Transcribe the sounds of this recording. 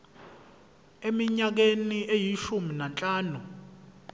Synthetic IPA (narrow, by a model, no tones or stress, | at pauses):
emiɲak̬eniʔejiʃuminant͡ɬʼaːnu